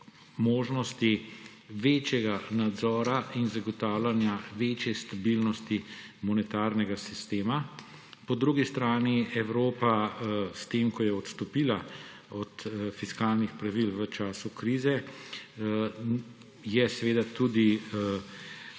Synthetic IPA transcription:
moːʒnɔst̪i | ʋeːt͡ʃjɛɡanad̪zɔːɾainzaɡɔt̪aːwlanjaʋet͡ʃjɛst̪abilnɔst̪i | mɔnɛt̪aːɾnɛɡasist̪eːma | pɔd̪ɾuɡist̪ɾaːniɛwɾoːpast̪eːmkɔjɛɔt̪st̪ɔpiːla | ɔt̪fiskaːlnixpɾaʋilʋət͡ʃaːsukɾiːzɛ | jɛsɛʋeːd̪at̪ud̪i

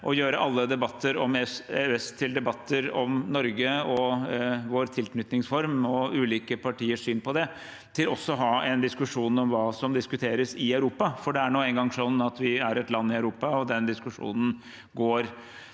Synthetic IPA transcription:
ʔɔjøːɾəʔɑlːəd̪ɛbɑt̪ʰːəɾɔmɛsɛɛst̪ʰːɪld̪ɛbɑt̪ʰːəɾɔmnɔɾɡəɔ | ʋoːɾt̪ʰɪlknʏt̪nɪŋsfɔɾmɔʉːliːkəpʰɑʈʰiːəʂsyːnpɔd̪ɛ | t̪ʰɪlɔsːɔɦɑːɛnd̪ɪskʉʂuːnɔmʋɑːsɔmd̪ɪskʉt̪ʰeːɾəsɪœʉɾuːpɑfɔɖɛæɳoːɛŋɡɑŋsɔnːɑt̪ʰʋɪæɾɛt̪lɑnːɪɑʉɾuːpɑɔd̪ɛnd̪ɪskʉʂṵːnən | ɡoːɾ

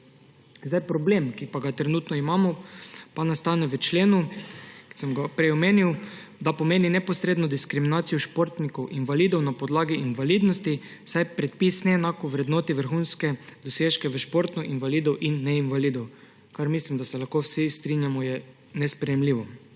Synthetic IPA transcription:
zd̪ajpɾɔbleːmkipaɡat̪ɾɛnuːt̪nɔimamɔpanast̪anɛʋət͡ʃleːnuki̥sɛmɡapɾɛjɔmeːniw | d̪apɔmeːninɛpɔsɾeːd̪nɔd̪iskɾiminaːt̪sijɔʃpoɾt̪nikɔwʔinʋalid̪ɔwnapɔd̪laːɡiinʋaliːd̪nɔst̪i | wsajpɾɛt̪pisnɛɛnaːkɔʋɾɛd̪noːt̪iʋəɾxunskɛd̪ɔseːʃkɛʋəʃpoɾt̪nɔʔinʋaliːd̪ɔwʔinːɛinʋalid̪ɔw | kaɾmislimd̪asɛlaxkowsist̪ɾinjamɔjɛ | nɛspɾɛjɛmliːʋɔ

